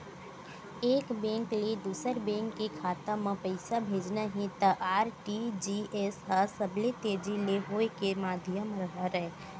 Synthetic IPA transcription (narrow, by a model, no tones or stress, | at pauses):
eːkbẽːŋklid̪uːsəɾbɛ̃ːŋkːikʰaːt̪amãpəɪsabʱeːd͡ʒnaɦẽt̪əʔaːɾʈid͡ʒiesɦasəbʱlet̪eːd͡ʒileɦoːekemaːd̪ʱɪjəmɾəɦaɾɛe